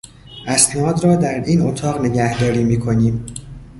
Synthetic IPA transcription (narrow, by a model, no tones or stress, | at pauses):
ʔæsnɒːd̪ɾɒːd̪æɾiːnot̪ʰɒːɣne̞ɟæhd̪ɒːɾiːmiːkʰo̞niːm